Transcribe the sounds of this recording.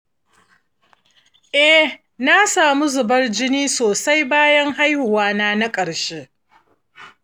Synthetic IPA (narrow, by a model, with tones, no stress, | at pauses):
ʔɛ˦ | na˦saː˨mu˦zʊ˨bɐ˦rd͡ʒɪ˦niː˦soː˨sa˦jbaː˦jɐ˦ŋɦa˦jhʊ˨waː˦naː˦na˦kʼɐ˨ɽʃeː˦